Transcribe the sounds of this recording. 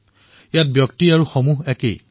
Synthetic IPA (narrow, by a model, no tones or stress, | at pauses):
jat̚bjɔktiaɹuxɔmuɦɛkḛj